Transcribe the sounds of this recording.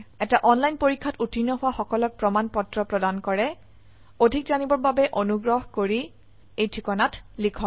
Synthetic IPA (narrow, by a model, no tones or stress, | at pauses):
ɛtaʔɔnlajnpoɹikʰːatutʰinːɔɦʊwaxɔkɔlɔk̚pɹɔmanpɔtɹɔpɹɔdankɔɹɛ | odʱikzanibɔɹbabɛʔonuɡɹɔɦkoɹi | ejtʰikɔnatlikʰɔ